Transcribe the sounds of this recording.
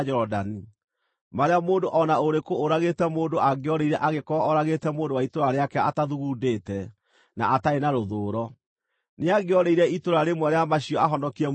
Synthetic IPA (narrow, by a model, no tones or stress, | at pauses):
d͡ʒɛɾɔdani | maɾeamoːndoʔɔnaoɾekoːɾaɣetɛmoːndoʔaɡeɔɾeiɾɛʔaɣekɔːɾaɣetɛmoːndowaitoɾaɾeakɛataðuɣudeːtɛ | na̰ʔataenaɾoðoːɾɔ | neaɡeɔɾeiɾɛitoɾaɾemwɛɾeamaɕiɔaɦɔndɔkiɛ